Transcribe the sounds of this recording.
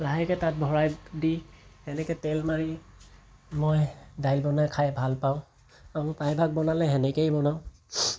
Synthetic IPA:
laɦɛkɛtat̚bʱɔɹajdihɛnɛkɛtɛlmaɹi | mɔjdajlbɔnajkʰajbʱalpaʊ̃ | amɔpajbʱak̚bɔnalɛɦɛnɛkejbɔnaʊ

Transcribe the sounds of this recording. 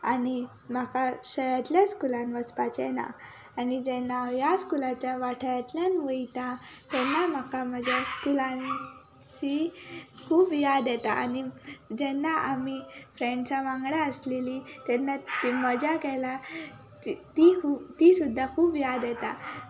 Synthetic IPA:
ani | m̤akaɕəjat̪ljaskulãnʋəspat͡ɕɛna̰ː | nid͡ʑɛnːajaskulat͡ɕjaʋaʈʰəjat̪ljanʋəit̪ãt̪ɛnːam̤akaməd͡ʑʱjaskulã | t͡ɕikʰuːbjad̪jɛt̪a̰a̰nid͡ʑɛnːaʔamifɾẽɳʈt͡ɕaʋãŋɡɽaəslelit̪ɛnːat̪iməd͡ʑakɛla | it̪ikʰuːt̪isud̪ʱːakʰuːbjad̪jɛt̪a

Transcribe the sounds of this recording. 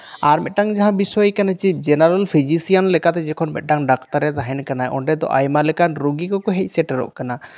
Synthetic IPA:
aɾmɛ̰t̪̚ʈaŋd͡ʒaɦãbisɔjkanat͡ʃip̚d͡ʒɛnaɾalpʰid͡ʒisijanlɛkat̪ɛd͡ʒɛkʰɔnmɛ̰t̪̚ʈaŋɖakt̪aɾɛt̪aɦɛnkanajʔɔ̰ɳɖɛd̪ɔ̰ʔajmalɛkanɾuɡikɔkɔɦɛc̚ˀsɛʈɛɾɔ̰ʔkana

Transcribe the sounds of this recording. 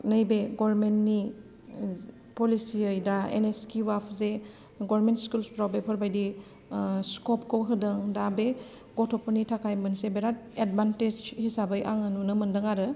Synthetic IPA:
nɐjbeɡɔbɾmentni | polisiɯjdaḛneskiwapʰze | ɡɔɾɾmentskulspɾawbepʰɔɾbajdi | skɔpkowɦɯdɐŋdabe | ɡɔtʰɔpʰonitʰakʰajmɯnsebeɾat̚ed̚banted͡ʒhisabɯjʔa̰ŋanunɐmɐndɐŋaɾɯ

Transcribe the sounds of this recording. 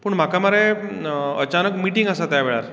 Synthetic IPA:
pəɳm̤akamaɾe | ət͡ɕanəkmiʈiŋɡəsat̪jaʋeɭaɾ

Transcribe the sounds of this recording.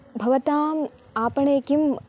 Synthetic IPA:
bʱɐʋɐt̪aːm | aːpɐɳeːkim

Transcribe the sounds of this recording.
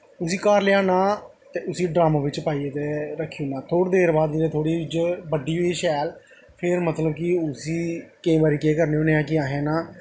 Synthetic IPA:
ʊsiːkaːɾleaːnãː | t̪eːʊsiːɖɾaːmãːʋɪt͡ʃpaːiːeːt̪eːɾəkʰːiõːnaːt̪ʰoːɽd̪eːɾbaːd̪ɪɾeːt̪ʰoːɽiːt͡ʃbəɖiːɦoiːʃɛːl | pʰɪɾmət̪ləbkɪʊsiːkeĩːbaːɾiːkeːkəɾneːoːneːãːkɪaːɦẽːnãː

